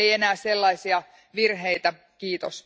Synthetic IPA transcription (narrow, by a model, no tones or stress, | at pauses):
ejenæːselːɑisiɑ | ʋirɦeit̪æ | kiːt̪o̰s